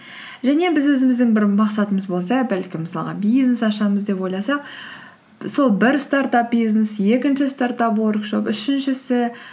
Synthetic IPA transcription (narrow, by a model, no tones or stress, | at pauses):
ʒæne̞bɪzwɵzɪmɪzd̪ɪŋbɪɾmɑqsɑt̪əməzbo̞lˠs̬ɑbælkʲɪmɪsɑ̰lˠʁɑ̰bijznesɑʃɑməzd̪e̞pwo̞jlˠɑsɑq̚ | so̞lˠbɪɾst̪aɾt̪ɑp̚bijznesje̞kʲɪnʃɪst̪aɾt̪ɑpwo̞rkʃo̞̰pʏʃɪnʃɪsɪ